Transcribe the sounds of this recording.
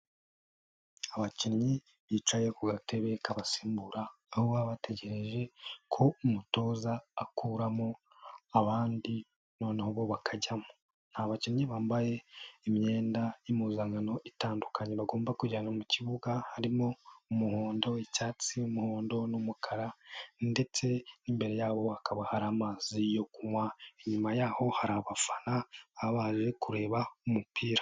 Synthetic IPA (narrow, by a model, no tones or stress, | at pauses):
aβacinɲi | βiːt͡ʃaje̞kuɡate̞βe̞kaβasi̥ːmbuɾaː | hoβaβate̞ɟe̞ɾeʒe̞kʰo̞umuto̞ːzaːkuɾamo̞ | aβaːndi | no̞ːnehoβo̞βakʰaɟamo | n̥haβacinɲiβaːmbaje̞imɲe̞ːndajimuzaŋano̞ʔitaːndukʰaɲeβaɡo̞ːmbakuɟanamuciβuɡahaɾimoumuhoːndo̞icaːt͡siumuhoːndo̞numukʰaɾande̞t͡se̞nimbe̞ɾe̞jaːβo̞akʰaβahaɾamazijo̞kumwaeɲumajaːho̞haɾaβafanaaβaːʒe̞kuɾe̞ːβaumupʰiːɾa